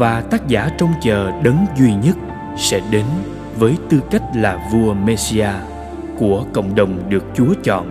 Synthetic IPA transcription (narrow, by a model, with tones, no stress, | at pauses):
vaː˨˩t̪aː˦˥k̚zaː˧˩t͡ɕɔ˧wŋ͡mt͡ɕəː˨˩ɗə˨˦nzwi˧ɲə˦˥t̚ | sɛ̰˧˥ɗe˨˦n | vəː˨˦jt̪ɨ˧ka˦˥jk̟̚laː˨˩vu˧əme˧si˧aː˧ | ku˧˩əkə̰˧˨wŋ͡mɗə˨˩wŋ͡mɗɨ˨˩ək̚t͡ɕu˨˦ət͡ɕɔ̰˧˨nʔ